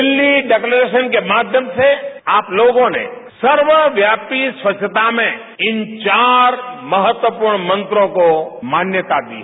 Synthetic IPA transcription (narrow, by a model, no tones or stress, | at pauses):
ɪlːiɖekləɾeʃənkemad̪ʱjəmt͡ʃʰeaplokõnḛ | səɾʋəʋjapisʋət͡ʃʰət̪amẽ | ɪnt͡ʃaɾməɦət̪wəpuɾɳmə̃nt̪ɾõkomanjət̪ad̪ḭ